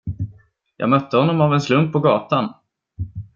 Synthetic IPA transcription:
jɑ̰ːɡmœt̪ːəhɔnːɔmavɛnslɵmpʰːɔɡɑːt̪an

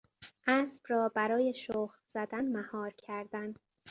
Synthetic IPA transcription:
ʔæːsb̥rɒːbæɾɒːje̞ʃoːxɾz̥æd̪ænmæhɒːɾcʰæɾd̪æn

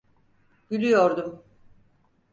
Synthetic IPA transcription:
b̥ylʲyjoɾd̪um

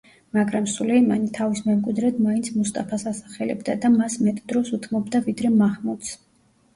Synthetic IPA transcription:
maɡɾamsulɛima̰nit̪ʰavismɛmkʼwid̪ɾɛd̪maint̪sʰmust̪ʼapʰasasaχɛlɛ̰bd̪ad̪amasmɛt̪ʼd̪ɾɔsut̪ʰmɔbd̪avid̪ɾɛmahmut̪s

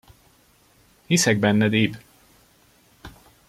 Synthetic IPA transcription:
hisɛɡ̚bɛnːɛd̪iːb

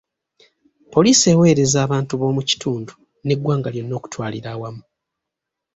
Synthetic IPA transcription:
po̞liːse̞ːwe̞ːɾe̞zaːβaːntuβo̞ːmuci̥tuːndu | ne̞ɡwaːŋɡaljo̞nːo̞ːku̥twaːliɾaːwamu

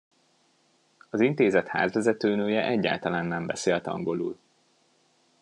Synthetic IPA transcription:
ɒzint̪eːzɛt̪ha̰ːzvɛzɛt̪øːnøːjɛʔɛɟːa̰ːlt̪ɒlaːnːɛmbɛseːlt̪ɒ̰ŋɡo̞lṵːl

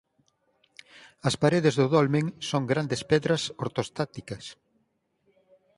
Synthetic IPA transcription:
ɐspaɾeðezðʊðolmẽŋsoŋɡɾand̪espɛðɾɐsoɾt̪ost̪at̪ikɐs

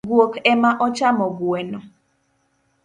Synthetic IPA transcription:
ɡwokɛmaʔɔt͡ʃamɔɡwɛnɔ

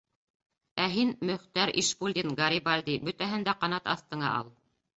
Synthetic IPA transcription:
æɦinmɵ̆χt̪æɾḭʃpulʲd̪ʲinɡɑɾʲibalʲd̪ibɵ̆t̪æɦɘnd̪æqɑnɑt̪ɑ̰θt̪ɤ̆ɴɑ̰ʔɑ̰lˠ

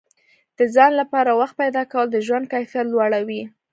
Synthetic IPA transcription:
d̪̥əd͡zɑnlapɑɾawaxt̪̚pajd̪ɑkawəld̪əʒwand̪̚kajfjat̪lwɑɽawi

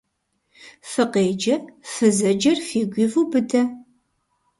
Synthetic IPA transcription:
fɨqeːd͡ʒɐrfɨzɐd͡ʒɐrfiːɡʷiːvubɨdʰɐ

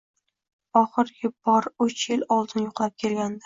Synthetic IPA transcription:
ɒχɨɾɡʲɪb̥ɒɾʊt͡ʃʰjɪlɒlˠd̪ɪnjoqlˠap̚kʲʰe̞lɡʲand̪ɪ

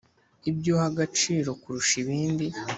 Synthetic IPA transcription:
ibjo̞haɡat͡ʃiːɾo̞kuɾuʃiβiːndi

